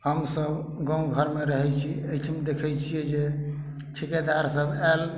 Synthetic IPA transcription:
həmsəb | ɡə̃w̃ɡʱəɾmeɾəɦɛt͡ʃʰiejt͡ʃʰmed̪ekʰɛjt͡ʃʰijɛd͡ʒe | t͡ʃʰiked̪aɾsəbɛl

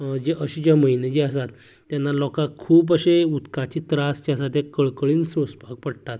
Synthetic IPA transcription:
d͡ʑeʔəɕit͡ɕjaməɦined͡ʑeəsat̪ː | janːalɔkãkʰuːp̬əɕeut̪kat͡ɕiːt̪ɾast͡ɕaəsat̪̬jakəɭkəɭiːnsõspak̚pəɽt̪at̪

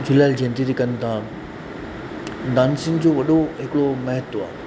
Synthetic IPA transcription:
d͡ʑʊlaːɪld͡ʑẽːnd̪iɾikɐ̃nt̪ã | d̪aːnsɪnd͡ʑoːʋɐɗoɦɪkɽomɐɦət̪ːoa̰ː

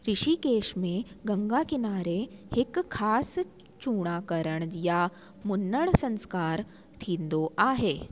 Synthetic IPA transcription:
ɾiɕikeɕmẽɡəŋɡakinaɾeekʰːaːs | t͡ɕuːɽ̃aːkəɾəɳ̃ja | munːəɭsə̃nskaːɾ | t̪ʰiːnd̪oʔaɦe

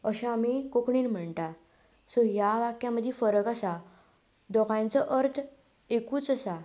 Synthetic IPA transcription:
əɕãmikokɳiːnm̤əɳt̪a | sɔjaʋakjãməd̪ʱifəɾəkasa | d̪ɔkãjnt͡sɔʔəɾt̪ʰ | ekuːt͡səsa

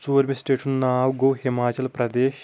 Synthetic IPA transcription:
t͡ʃuːɾmisʈeːʈʰunnaːwɡowɦimaːt͡ʃɐlpɾɐd̪eːʃ

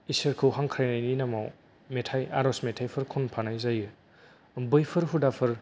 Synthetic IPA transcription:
isɐɾkʰɯwɦaŋkʰɾajnajninamaw | metʰaja̰ɾɔsmetʰajpʰɯɾkʰɔnpʰanajzajɯ | bɯjpʰɯɾɦudapʰɯɾ

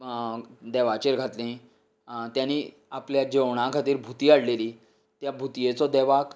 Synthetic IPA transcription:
d̪ɛʋat͡ɕeɾɡʱat̪lẽ | t̪jani | apljad͡ʑeʋɳ̃ãkʰat̪iːɾbʱut̪iːaɽleliː | t̪jabʱut̪jet͡sɔd̪ɛʋak

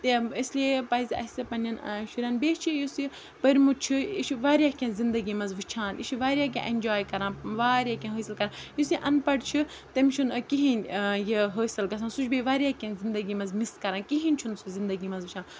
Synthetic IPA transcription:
t̪eisʲliepɐizɐ̰sɐpɐnjɐn̰ʃuɾʲɐnbeːt͡ʃʰijusi | pɐɾʲmut͡ʃʰiḭʃʰʋaːɾjaːkʲẽnzind̪ɐɡimɐnzʋɨt͡ʃʰãːniʃʰiʋaːɾʲjaːk̬ʲḛ̃ʔenʲd͡ʒaːjkɐɾãːnʋaːɾʲjaːkʲẽɦəːsɐlkɐɾaːnjisiʔɐnpɐɽt͡ʃʰi | t̪ɐmʲʃʰunkiɦinʲjeɦəːsɐlɡɐs̬ʰãnsut͡ʃʰbeʋaːɾʲjaːkʲẽnzind̪ɐɡimɐnzmiskɐɾaːnkiɦinʲt͡ʃʰunsuzind̪ɐɡimɐzʋɨt͡ʃʰãːn

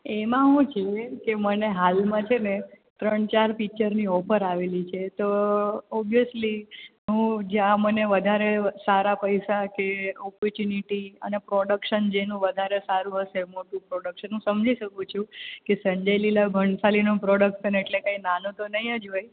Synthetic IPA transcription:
emãɦũt͡ʃʰekeməneɦalmãt͡ʃʰene | t̪ɾəɳt͡ʃaɾpikt͡ʃəɾniɔpəɾaʋelit͡ʃʰet̪oɔbijəsliɦũd͡ʒãməneʋəd̪ʱaɾesaɾapəjsakeɔpɔɾt͡ʃuniʈiə̰nepɾoɽəkʃənd͡ʒenũʋəd̪ʱaɾesaɾũɦəsemoʈũpɾɔɽəkʃənɦũsəmd͡ʒiʃəkũt͡ʃʰũkesə̃ɲd͡ʒəjlilaɡʱəɳsalinũpɾɔɽək̚ʈsəneʈlekainanũt̪onəɦiəd͡ʒoj

